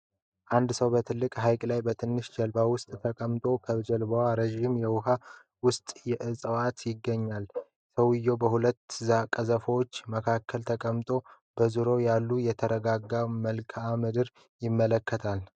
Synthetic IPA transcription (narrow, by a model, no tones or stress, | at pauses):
ʔand̪səwbət̪ʰɨlːɨkʼɦajkʼlajbət̪ʰɨnːɨʃd͡ʒɛlbawʊst̪ʼt̪ʰəkʼəmt̪ʼo̞kʰəβd͡ʒɛlbəwaɾeʒimjɛwʊɦa | wʊst̪ʼjɛʔɨsʼəwat̪jɪɡːəɲːal | səwɨjːo̞bəɦulət̪ːzakʼəzəfəwot͡ʃːməkʰakʰːəlt̪ʰəkʼəmt̪ʼo̞ | b̥əzuɾojalːujɛt̪ʰəɾəɡaɡːaməlkʰamɨd̪ɨɾ | jɪmːələkːət̪ʰal